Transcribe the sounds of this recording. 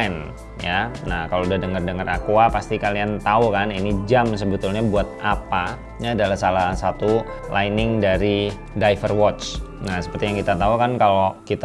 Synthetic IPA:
n | janahkaloudadəŋərdəŋərakuapast̪ikaliant̪aukaninid͡ʒams̬əbət̪ʊlɲabuat̪̚ʔapa | ɲaːdalasalasat̪u | lʔainɪŋdaɾi | dajfərwɔt͡ʃnahsə̥pərt̪ijaŋkit̪at̪aukankalokit̪

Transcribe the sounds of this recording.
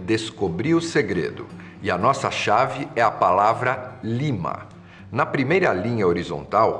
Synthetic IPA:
d̪eskobɾiʊseɡɾḛd̪ʊ̰ | ɪɐnɔsɐʃavɪɛɐpalavɾɐlimɐ̰ | nɐpɾimejɾɐlĩɲɐoɾizõ̰nt̪aw

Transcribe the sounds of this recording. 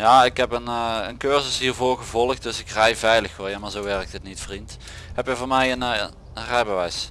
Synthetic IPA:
jaːɪkɦɛpənəənkøɹzəsɦiːɹvoːɹɣəvɔlˠəxt̚d̥ɵsɪkrɛjvɛjləxʋoljamaːɹzowʋɛɹk̚tətnitfrint | hɛpjəvoːmɛjən | ərɛjbəʋɛjs

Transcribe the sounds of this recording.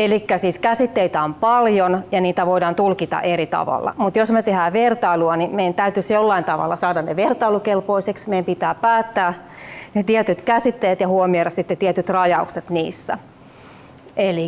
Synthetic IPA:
elikːæsiːskæsit̪ːeit̪æompɑljonjɑniːt̪æʋoidɑːnt̪ulkit̪ɑ̰ʔeɾit̪ɑ̰ʋɑ̰lːɑ̰mut̪josmet̪ehæːʋert̪ɑiluɑnimeiænt̪æyt̪ysjolːɑint̪ɑʋɑ̰lːɑsɑːdɑnneʋert̪ɑilukelpoiseksmeiæmpit̪æːpæːt̪ːæːnet̪iɛt̪yt̪kæsit̪ːejæt̪jɑhuomioɾɑsit̪ːet̪iɛt̪yt̪rɑjɑukset̪niːsːæ̰ | eli

